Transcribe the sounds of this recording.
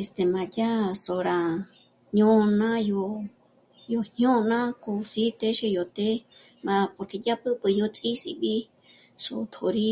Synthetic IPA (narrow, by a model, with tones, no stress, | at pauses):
e˨st̪e˨mã˨ja˦so˨ɾa˨ | ɲõ˦˧nã˦jo˧ | jo˧ɲjõ˦nã˦ko˧˨si˦t̪e˦ʃe˧jo˨t̪e˦ | ma˧po˧ɾke˧˨ja˦pɨ˦bɨ˧jo˧t͡sʼi˦sḭ˧bi˦ | so̰˨t̪ʰo˨ɾi˧